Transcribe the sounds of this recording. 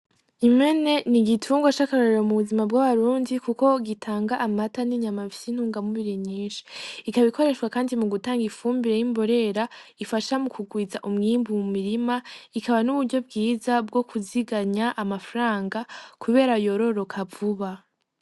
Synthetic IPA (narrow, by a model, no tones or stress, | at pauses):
ime̞ne̞niɡitʰuːŋɡwat͡ʃakaɾoɾeɾomuβuzimabɡwaβaɾuːndikuko̞ɡitʰaːŋɡaʔamataniɲamaβisin̥huːŋɡamuβiɾiɲiːnʃi̥ikaβikʰo̞ɾe̞ʃwakaːndimuɡutaːŋɡifuːmbiɾejimbo̞ɾe̞ɾaifaʃamukuɡwiːzaʔumŋiːmbumumiɾimaikaβanuβuɾɟo̞b̚ɡiːzabɡo̞kʰuziɡaɲaʔamafɾaːŋɡakʰuβe̞ːɾajo̞ɾo̞ɾo̞kʰavuβa